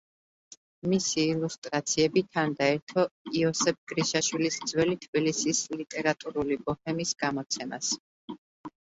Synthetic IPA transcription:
misiːlˠust̪ʼɾat̪sʰiɛbit̪ʰand̪aɛɾt̪ʰɔiɔsɛp̚ʰɡ̥ɾiʃaʃwilisd̪zwɛlit̪ʰbilisislit̪ʼɛɾat̪ʼuɾulibɔhɛmisɡ̥amɔt̪sʰɛma̰s

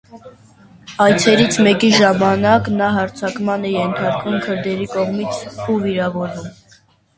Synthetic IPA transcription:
ɑjt͡sʰɛɾit͡sʰmɛkiʒɑmɑnɑknɑɦɑɾt͡sʰɑkmɑnɛjɛnt̪ʰɑɾkvumkʰəɾd̪ɛɾikɔʁmit͡sʰuviɾɑvɔɾum

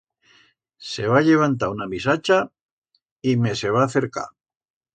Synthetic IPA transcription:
se̞βaʎe̞β̞ant̪aunamisat͡ʃa | ime̞se̞β̞aːθe̞ɾka̰

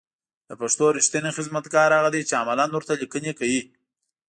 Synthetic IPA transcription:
d̪əpaʂt̪oɾɪʃt̪anexɪzmat̪ɡɑɾhaɣad̪ejt͡ʃeamalanwʊɾt̪alikənekawi

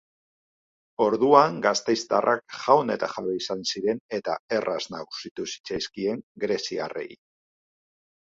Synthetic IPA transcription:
o̞ɾðuaŋɡast̪e̞jst̪arʔakʝawne̞t̪axaβeisansiɾe̞ne̞t̪a̰e̞rʔaznaɣusit̪usi̥t͡sajskie̞ŋɡɾe̞sia̰re̞̰ḭ

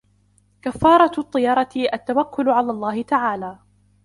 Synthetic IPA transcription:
kafːɑːɾˤɑt̪ˤːɨjɑɾˤɑt̪ɪʔat̪ːawakːʊlʕalaːlˤːɑːhɪt̪aʕaːlaː

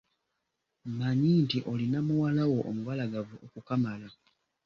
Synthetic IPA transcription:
maɲintiʔo̞linamuwalawo̞ʔomuvalaɡavuʔokukamala

